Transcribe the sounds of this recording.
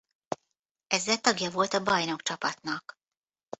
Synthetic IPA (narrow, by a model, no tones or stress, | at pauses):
ɛzːɛlt̪ɒɡjɒvo̞lt̪ɒbɒjno̞kt͡ʃɒpɒt̪nɒk